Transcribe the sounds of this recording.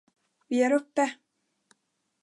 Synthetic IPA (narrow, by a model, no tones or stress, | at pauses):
vɪæɾɵpːə